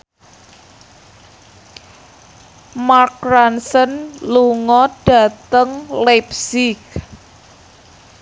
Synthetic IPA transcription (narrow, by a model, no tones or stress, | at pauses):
mark̚ɾansənluŋɔɖ̥a̤t̪əŋlepsɪk